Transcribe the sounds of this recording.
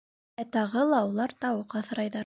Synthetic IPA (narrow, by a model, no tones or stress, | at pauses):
æt̪ɑʁɤlˠɑulˠɑɾt̪ɑwɤqɑθɤ̆ɾɑjðɑ